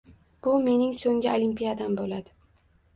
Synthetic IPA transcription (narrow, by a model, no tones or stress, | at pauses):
b̥ʊme̞nɪŋsoŋʲɪolimpʲijad̪ambolad̪ɪ